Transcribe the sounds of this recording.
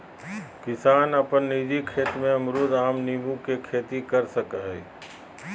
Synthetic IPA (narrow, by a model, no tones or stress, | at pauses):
kɪsaːnəpənːiːd͡ʒikʰeːt̪mẽəmɾoːd̪aːmnimũkekʰeːt̪ikəɾsəkɦɛi